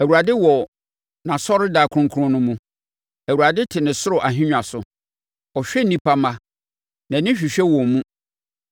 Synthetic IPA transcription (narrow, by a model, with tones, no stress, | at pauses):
æ˨wu˨ɾa˨dɪ˦wɔ˨ | nã˨sɔ˦ɾɪ˦daː˨kʰɾʊ̃˦kʰu˦ɾʊ̃˦nʊ̃˦mũ˦ | æ˨wu˨ɾa˨dɪ˦tʰɪ˨nɪ̃˨sʊ˦ɾʊ˨ʔa˨ɦɪ̃˦ɲᶣ˨a˨sʊ˨ | ɔ˨ɕᶣɛ˦nĩ˦pʰa˦mã˦ | nã˨nɪ̃˦ɕᶣi˨ɕᶣɛ˦wɔ˨mũ˦